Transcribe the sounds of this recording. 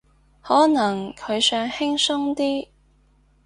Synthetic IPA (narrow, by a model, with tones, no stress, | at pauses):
hɔː˨˥nɐ˨˩ŋkʰɵ˨˧ɥsœː˨˧ŋhɪ˥ŋsʊ˥ŋt̪iː˥